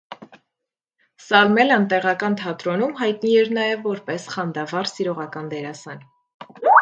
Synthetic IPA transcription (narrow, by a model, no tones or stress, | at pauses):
sɑlmɛlənt̪ɛʁɑkɑnt̪ʰɑt̪ɾɔnumɦɑjt̪niɛɾnɑjɛvːɔɾpɛsχɑnd̪ɑvɑɾsiɾɔʁɑkɑnd̪ɛɾɑsɑn